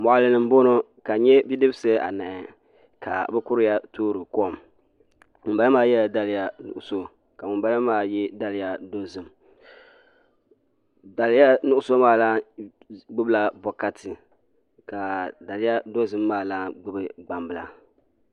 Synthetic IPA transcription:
mɔ˨ʔa˨lɨ˦nɨ˨m˦bo˦no˦ | ka˨ɲɛ˦bi˦dɨ˦bsɨ˦a̰˨na˨ɛ˨ | ka̰˨bɛ˦kʊ˦ɾɪ˦ja˦toː˦ɾɨ˨kɔ˦˨m | mɨ˨mba˦lɨ˦maː˦jɛ˦a˨da˦lɪ˦ja˦nʊ̰˨ʔʊ˨so˦ | ka˨mɨ˨mba˦lɨ˦maː˦jɛ˦da˦lɪ˦ja˦do˦zɨ˨m | da˨lɪ˦ja˦nʊ˦ʔʊ˦so˦maː˦laː˦ | ɡ͡bɨ˦bɨ˦la˦bɔ˨ka˦tʰɨ˨ | ka˨da˨lɪ˦ja˦do˦zɨ˦mːaː˦˨laː˦ɡ͡bɨ˦bɨ˨ɡ͡ba˨mbɨ˨la˨

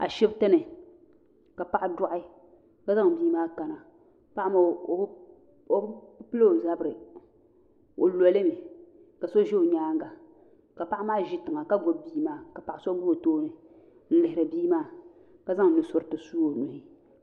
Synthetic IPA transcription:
a̰˨ʃɛ˦btɨ˦nɨ˨ | ka˨pa˨ʔa˦dʊ˦ʔɪ˦ | ka˦za˦ŋ˨biː˦maː˦ka˨na˨ | pa˦ʔma˨˦ | o˨˦pɨ˦lo˦o˨za˦bɾɨ˨ | o˨lɔ˨lɨ˦mɪ˨ | ka˨so˦ʒe˦o˨ɲaː˦ŋ˦ɡa˨ | ka˨pa˦ʔa˦maː˦ʒi˦tɨ˨ŋa˨ka˦ɡo˨˦bbiː˦maː˦ka˨pa˨ʔa˨so˦ɡu˦o˨toː˦nɨ˨ | n̩˦lɪ˨hɪ˨ɾa˨biː˦maː˦˨ | ka˨za˦ŋ˨nɨ˨sʊ˨ɾtɨ˨suː˦o˨nʊ˨hɪ˦

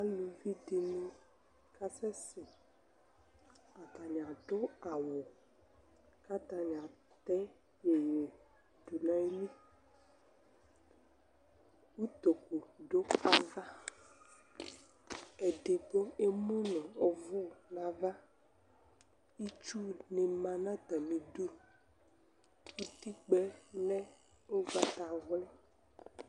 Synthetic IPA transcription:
a˦lu˨vi˦de˨nũ˦ | ka˦sɛ˦sɪ˨ | a˨t̪a˨ɲ˨ã˨ɖo˦a˨wo˨ | ka˦t̪a˨ɲ˨a˨ | t̪ɛ˦ | je˨ɲe˨ | d̪u˨lã˦e˦lĩ˦ | wu˦t̪o˨ko˨ɖo˦a˨va˦ | e˨ɖe˨ɡ͡bo˦e˦mũ˦nɔ̃˨ɔ˨vɔ˦˨nã˨va˦ | i˦t͡ʃu˦ne˨mã˨nã˦t̪a˨mĩ˨ɖo˦ | wu˦t̪i˦k͡pɛ˦nɛ̃˦ | o˦va˦t̪a˨ɣlɛ˦

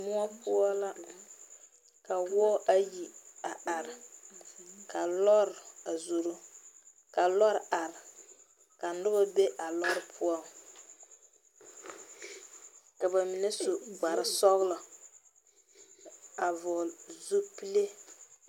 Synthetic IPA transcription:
mʊ˦ɔ˦pʊ˦ɔ˦la˦ | ka˨wɔ˦ʔa˦ji˨a˨ʔa˨ɾɪ˨ | ka˨lɔ˦ɾɪ˨a˨zu˨ɾʊ˦ | ka˨lɔ˦ɾʔa˨ɾɪ˨ | ka˨n̩˦dʊ˦ba˦be˦ʔa˨lɔ˦ɾpʰʊ˦ɔ˦ | ka˨ba˨mi˨nɛ˦so˨ɡ͡ba˨ɾɪ˨sɔ˦ɣlɔ˨ | a˨vɔ˨zu˦pi˦le˦

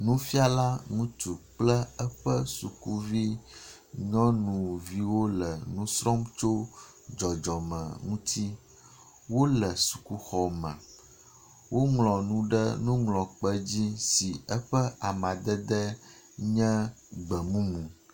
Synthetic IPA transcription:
nũ˦fi˦a˦la˦ŋũ˦t̪u˨k͡plɛ˦ɛ˦ɸə˦su˨ku˦vi˦ | ɲɔ̃˦nũ˨vi˦wo˦lɛ˨nũ˦sɾɔ˦mt͡ʃo˦ | d͡ʒɔ˨d͡ʒɔ˨mɛ̰̃˨ŋũ˦t̪ʰi˦ | wo˦lɛ˨su̥˨ku˦xɔ˨mã̰˨ | wo˦ŋlɔ̃˨nũ˦ɖɛ˦nũ˦ŋlɔ̃˨k͡pɛ˦d͡ʑi˦si˨ɛ˦ɸɛ˦a˨mã˨d̪ɛ˦d̪ɛ˦ | ɲɛ̃˦ɡ͡bɛ˨mũ˦mũ˨

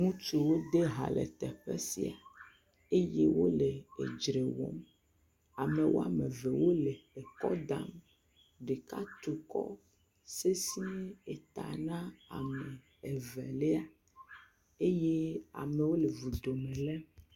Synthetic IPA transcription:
ŋũ˦t͡ʃu˨wo˦d̪e˦ɦa̰˨lʔɛ̰˨t̪ɛ̰˨ɸḛ˦sḭ˨a˨ | e˦je˦wo˦le˨ḛ˨d͡ʒɾe˨wo̰˦m | a˨me˨wʔo˦a̰˨mẽ˨vɛ˨wo˦le˨e˨kɔ˦d̪a̰˦˨m | ɖe˨ka˦t̪u˨kɔ̰˦ | se˦sĩ˦e˨t̪a̰˨nã˦a̰˨mɛ˨ | e˨vɛ̰˨le˦a˨ | e˦je˦a̰˨me˨wo˦le˨vu˨d̪o˨mẽ˨lɛ˦

